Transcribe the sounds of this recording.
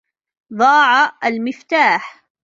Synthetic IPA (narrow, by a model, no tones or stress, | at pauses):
d̪ˤɑːʕaʔalmɪft̪aːħ